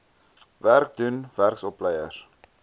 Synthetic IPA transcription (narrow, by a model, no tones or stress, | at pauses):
værk̚dunværksɔplɛjə̰r